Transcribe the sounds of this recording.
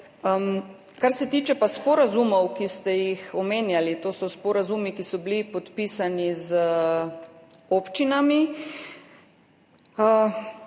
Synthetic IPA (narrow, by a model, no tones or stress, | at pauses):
m | kaɾsɛt̪iːt͡ʃɛpaspɔɾazumɔwkist̪ɛjixɔmeːnjalit̪oːsɔspɔɾazumikisɔblipɔt̪piːsanizə | oːpt͡ʃinami